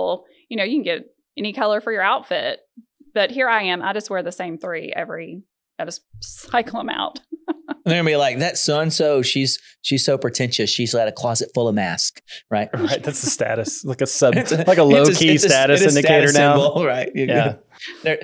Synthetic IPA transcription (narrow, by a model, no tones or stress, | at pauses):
l̩ˠ | jɨñoʊjɨkʰn̩ɡɛɾ | ɛnikʰʌlˠə˞fə˞jə˞aʊtfɪ̰t̚b̥ʌt̚ɦiɹaɪɨ̃ma̰ɪd͡ʒʌst̚wɛɹðɨsẽɪ̃mθɹiɛ̰vɹi | aɪd͡ʒʌs̚saɪkl̩ˠə̃ma̰ʊt̚n̩ðə˞milaɪk̚ðɨtsʌ̃nsoʊʃiz̥ | ʃiz̥soʊpʰɹ̥ɨtʰɛ̃nʃɨsʃizlaɪɾɨkʰl̥ɑzɨtfʊlˠʌvmæ̰skɹaɪt̚ɹaɪt̪̚ðætsðɨstæ̰ɾɨslaɪkɨsʌɪtslaɪkəloʊkʰistæɾɨsɾɪ̃ndɨtkeɪɾə˞naʊɹaɪt̚ɨjæ | ðə˞